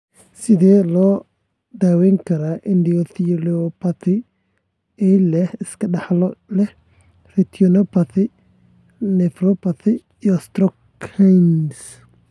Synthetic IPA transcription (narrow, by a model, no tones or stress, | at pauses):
sɪðɛːlɔː | d̪aːwɛːŋkʰɐɾaːʔɪnd̪iɔθiliɔpatɪ | ɛlɛhɪskʰɐɖɐħlɔlɛh | rɛt̪ʰiɔnɔpɐt̪ɪ | nɛfɾɔpɐθɪː | ɔst̪ɾɔ | kʰajns